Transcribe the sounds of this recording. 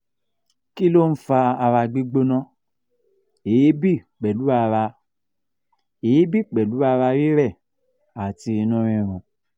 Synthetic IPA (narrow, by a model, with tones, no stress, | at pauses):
ki˦lo˦˨n̩˦fa˧a˧ɾa˧ɡ͡bi˦ɡ͡bo˦nã˦ | e˨˦bi˦˨k͡pɛ˨lu˨˦a˧ɾa˧ | e˨˦bi˦˨k͡pɛ˨lu˨˦a˧ɾa˧ɾi˦ɾɛ˦˨ | a˨ti˧nũ˦ɾ̃ĩ˧ɾ̃ũ˨